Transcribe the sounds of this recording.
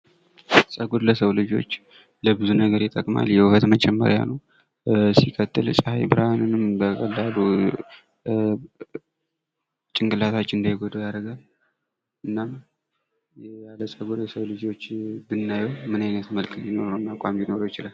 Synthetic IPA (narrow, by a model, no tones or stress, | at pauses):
sʼəɡo̞d̪ləsəwlɨd͡ʒo̞̰t͡ʃː | ləbɨzunəɡəɾjɛt̪ʰʼəkʼma̰ljɛhufət̪mət͡ʃʼɛmːə̰ɾja̰nəw | sikʰət̪ʼːɨlsʼɨhajbɨɾhanɨnɨmbəkʼəlːalu | t͡ʃʼɪŋkʼɨlat̪ʰat͡ʃːɨnd̪əjɛɡod̪əjaɾəɡal | ʔɨnːam | jjaləsʼəɡod̪ləsəβlɨd͡ʒo̞t͡ʃːbɨnːajəwmɨnajnət̪məlkʰʼlino̞ɾonːakʷʼamjino̞ɾojɛt͡ʃɪlal